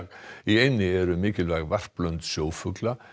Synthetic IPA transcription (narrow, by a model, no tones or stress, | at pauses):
iejnːɪɛɾʏmɪːcɪlvajɣvar̥plœnt̪sjoːwfʏkla